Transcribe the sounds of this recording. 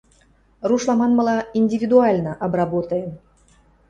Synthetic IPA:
ruʃlˠɑmɑnmə̆lɑinʲdʲivʲid̪uɑlʲnəʔɑbrɑbot̪en

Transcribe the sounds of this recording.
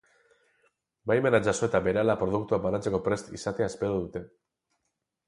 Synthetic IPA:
bajmenad͡ʒaso̞e̞t̪abe̞ɾalapɾo̞ðukt̪uabanat͡se̞ko̞pɾe̞st̪ḭsat̪eaespe̞ɾoðut̪e̞

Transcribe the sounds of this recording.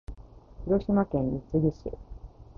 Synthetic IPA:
çiɾo̞ɕimakẽ̞ɲit͡sɨɡʲiɕḭ

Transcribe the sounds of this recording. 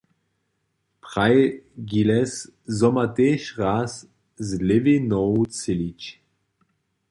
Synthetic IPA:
pχajɡilɛszɔmat̪eːʃʁas | zlɪvinɔwt͡sɪlit͡ɕ

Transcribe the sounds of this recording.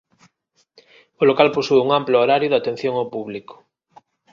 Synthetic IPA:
olokalpusuouŋamplooɾaɾjʊðat̪en̟θjoŋawpuβliko̥

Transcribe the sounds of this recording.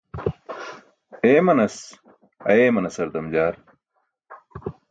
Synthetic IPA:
eːmɐnɐs | ɐ̰eːmɐnɐsɐɾd̪ɐmd͡ʑaːɾ

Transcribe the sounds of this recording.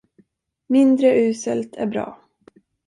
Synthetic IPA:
mɪnd̪ɾəʔʉ̟ːsəlt̪ʰæ̰ɾbɾɑ̰ː

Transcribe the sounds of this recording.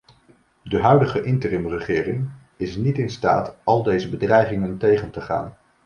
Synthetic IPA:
dəɦœɥdəχəʔɪntərɪmrəχɪːrɪŋ | ɪsnitɪnsta̰ːtɑlˠdejzəbədrɛjχɪŋəntejχəntəχa̰ːn

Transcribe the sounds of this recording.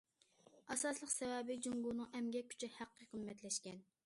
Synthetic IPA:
ɑsɑslˠəqsɛwɛbɪd͡ʒuŋɡunɨŋɛmɡʲɛkʲʰːy̥t͡ʃʰɛhæqːəqəmmɛt̪lɛʃkʲɛn

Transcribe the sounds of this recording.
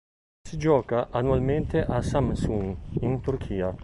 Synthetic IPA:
sid͡ʒɔːkaʔanualment̪eʔasamsuŋint̪urkʰiːa

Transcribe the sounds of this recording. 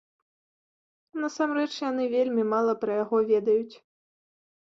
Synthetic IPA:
nɐsamɾɛt͡ʂjanɨvʲelʲmʲimalˠɐpɾɐjaɣɔvʲɛd̪ɐjut͡sʲ

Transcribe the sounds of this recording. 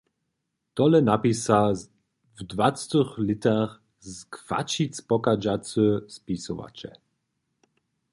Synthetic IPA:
t̪ɔlɛnapisa | vdvat͡st̪əxlɪt̪aχ | zkva̰t͡ʃit͡spɔkad͡ʒat͡səspisɔva̰t͡ʃɛ̰

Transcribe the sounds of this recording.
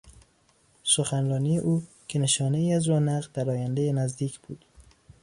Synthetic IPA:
soxænɾɒːniːjeʔuː | cʰe̞ne̞ʃɒːne̞iːæzɾɒːnæʁd̪̥æɾɒːjænd̪ejenæzd̪iːcʰb̥uːd̪̥

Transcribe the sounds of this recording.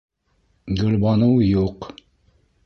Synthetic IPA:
ɡɵ̆lbɑnɤwjuq

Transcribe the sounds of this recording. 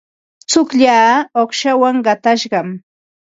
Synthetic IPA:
t͡sʊkʎaːoχʃawaŋɢɑt̪aʃɢɑm

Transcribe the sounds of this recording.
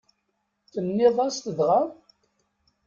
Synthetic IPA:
θənːɪðˤɑst̪əðʁa

